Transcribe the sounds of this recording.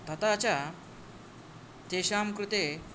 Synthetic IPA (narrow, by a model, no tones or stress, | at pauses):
t̪ʰɐt̪at͡ɕa | t̪eɕaːmkɾut̪e